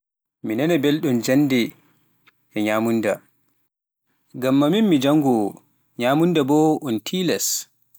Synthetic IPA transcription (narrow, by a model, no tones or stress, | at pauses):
minɛnɛbelɗumd͡ʒanːdɛ | ɛɲaːmunda | ɡamːaminmid͡ʒaŋɡɔ | ɲaːmundabɔʔuntʰilɛs